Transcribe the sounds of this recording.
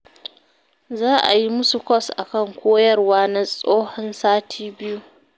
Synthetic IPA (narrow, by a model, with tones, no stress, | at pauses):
zaː˦ʔa̰˨ji˦mʊ˦su˨kʷɔ˦˨sʔa˨kɐ˦˨ŋkʷoː˦jɐ˦rwaː˦na˦sʼoː˦hɔ˦nsaː˦tʰiː˦bɪ˦ju˦